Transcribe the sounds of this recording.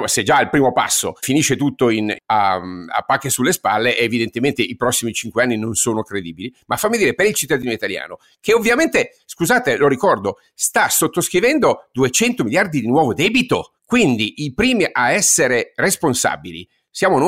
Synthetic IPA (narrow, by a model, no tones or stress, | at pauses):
sed͡ʒaːlpɾiːmopa̰sːo̰finiːʃːet̪ut̪ːoina̰a̰pːakːesulːespalːeʔːvid̪ent̪ement̪eʔipɾɔsːimit͡ʃiŋkweanːinonsoːnokɾed̪iːbilimafːamːid̪iːɾepeɾilt͡ʃit̪ːad̪iːnoit̪alja̰ːno | keovːjament̪e | skuzaːt̪eloɾikɔrd̪o | st̪asot̪ːoskɾivɛnd̪od̪uet͡ʃɛnt̪omiljard̪id̪inwɔːvod̪ɛːbit̪o̰ | kwind̪iʔipɾiːmiʔaɛsːeɾeresponsa̰bilḭ | sjaːmon